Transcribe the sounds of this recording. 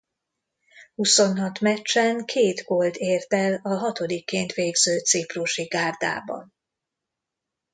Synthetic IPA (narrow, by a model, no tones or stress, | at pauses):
huso̞nɦɒt̪mɛt͡ʃːɛŋkʰeːd̪ɡo̞ld̪eːrt̪ɛlɒɦɒt̪o̞d̪ikːeːnt̪ʋeːɡzøːt̪sipruʃiɡaːrd̪a̰ːbɒ̰n